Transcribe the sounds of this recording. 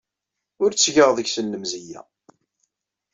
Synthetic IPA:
ʊɾt͡sːʝəʁðəɡsənːəmzijːæ̰

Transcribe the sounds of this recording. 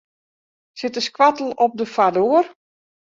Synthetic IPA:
sɪtəskʋatəl̩ˠɔp̚dəfadoːr

